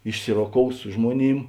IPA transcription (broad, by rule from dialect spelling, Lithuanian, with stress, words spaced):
ɪʃʲˈsʲɪroːˌkoːʊs ˈsʊ ʒmuɔˌnʲiːm